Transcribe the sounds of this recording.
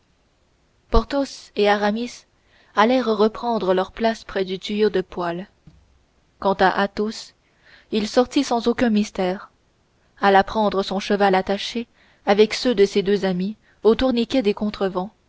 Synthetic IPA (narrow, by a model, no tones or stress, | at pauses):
pɔʁt̪oseaʁamis | alɛʁːəpχɑ̃d̪ʁəlœʁplaspχɛd̪yt̪yjod̪əpwal | kɑ̃t̪aʔat̪os | ilsɔʁt̪isɑ̃zokʲɛ̃mist̪ɛːʁ | alapχɑ̃d̪ʁəsɔ̃ʃəvalat̪aʃe | avɛksød̪əsed̪øzami | ot̪uʁnikʲɛd̪ekɔ̃t̪χəvɑ̃